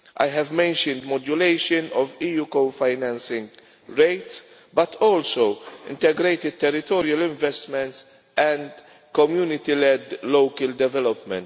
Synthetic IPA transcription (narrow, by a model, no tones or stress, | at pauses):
ʔa̰jɦɛvmɛ̃nʃɔ̃nd̪mɔd͡ʒʊleɪʃɔ̃nɔviːjuːkofajnɛ̃nsɪ̃ŋɡ | ɾeɪt̪s | bɐt̪ʰɔːlsowɪ̰̃nt̪ɛɡɾeɪt̪ɪd̪̚t̪ɛɾɪt̪ɔːɾiɐlɪ̃ɱvɛst̪mɛ̃nt̪s | ʔɛ̃nd̪ | kɔmjuːnɪt̪ilɛd̪lowkɐld̪ɛvɛlɔpmɛ̰̃nt̪